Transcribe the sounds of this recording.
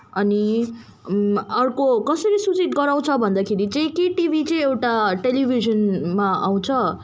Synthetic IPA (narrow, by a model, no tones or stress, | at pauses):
ʌni | ʌrkokʌsʌɾisut͡siʈ̪ɡʌɾaw̃t͡sʰʌbʱʌnd̪akʰeɾit͡sʌ̃ĩkeʈibʱit͡sʌj̃ewʈaʈelibʱizʌnmaa̰w̃t͡sʰʌ